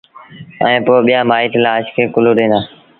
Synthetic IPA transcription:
ə̰ẽːpoːɓɪjãːmaːiːʈlaːʃkʰeːkʊloːɗẽːnaː

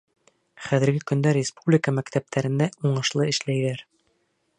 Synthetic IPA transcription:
χæðɘ̆ɾɡɘkɵ̆nd̪æɾʲɪspublʲɪkəmækt̪æp̚t̪ʰæɾɘ̆nd̪æuɴɤ̆ʃlˠɤɘ̆ʃlæjðæɾ

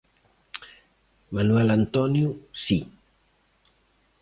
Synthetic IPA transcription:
manuɛlant̪ɔnjusi

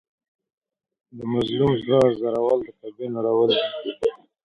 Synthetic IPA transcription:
d̪əmazlumzlazzaɾawɑld̪ət̪abenoɾawəl

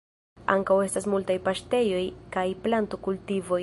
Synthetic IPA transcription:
a̰ŋkawe̞stas̬multajpaʃte̞jo̞jkajplanto̞kultivo̞

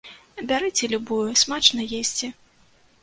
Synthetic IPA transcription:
bʲaɾɨt͡sʲɛlʲubujusmat͡ʂnɐjesʲt͡sʲɛ

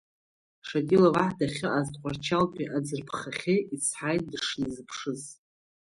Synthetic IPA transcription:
ʂadʼilavaħdaχʲɨʔaztʼqʷʼart͡ʃʰalpʲʷʼiʔad͡zɨrpʰχaχʲeit͡sʰħajt̚ʼdɨʂnzɨpʰʂɨz

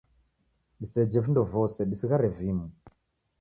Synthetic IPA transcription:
ɗisɛd͡ʒɛvindɔvɔsɛɗisiɣaɾɛvimu

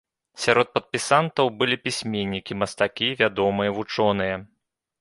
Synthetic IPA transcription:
sʲaɾɔt̪̚pɐt̪̚pʲisant̪ɐwbɨlʲipʲisʲmʲenʲːikʲimɐst̪akʲivʲad̪ɔmɨjɐvut͡ʂɔnɨjɐ

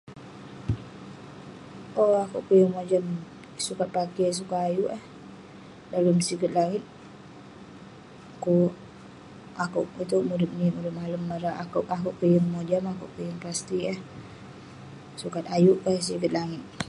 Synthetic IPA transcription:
ʔoakuʔkujəŋmod͡ʒam | sukat̪̚pakis̬ukat̪ajuʔəh | daləmsikət̪̚laŋɪt̪̚ | akuʔ | akuʔit̪uʔmudɪp̪̚nimuɾɪt̚maləmːaɾaʔakuʔakuʔkujəŋmod͡ʒamakṵʔkujəŋpast̪iəh | sukat̪̚ajuʔkəhs̬ikət̪̚laŋɪt̪̚

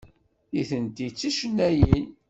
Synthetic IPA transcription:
iθənd̪it͡sːiʃənːæjin

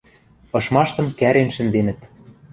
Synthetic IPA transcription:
ɤ̆ʃmɑʃt̪ɤ̆mkæɾenʃɘ̆nd̪enɘ̆t̪

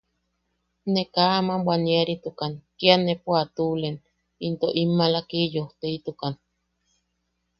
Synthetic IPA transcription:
nekaamambwanieɾit̪ukankianepuat̪ulen | int̪oʔimːalakijoht̪eit̪ukan

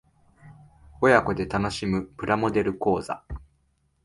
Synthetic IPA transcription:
o̞jako̞d̪e̞t̪ano̞ɕimɯ̟pɯ̟ɾʔamo̞d̪e̞ɾɯ̟ko̞ːza̰

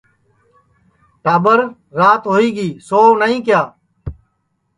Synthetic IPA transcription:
ʈaːbəɾ | ɾaːt̪ɦoːiːɡiːsoːnəĩːkɪjaː

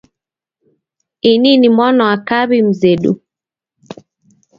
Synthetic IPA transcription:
ininimwanɔakaβim̩zɛɗṵ

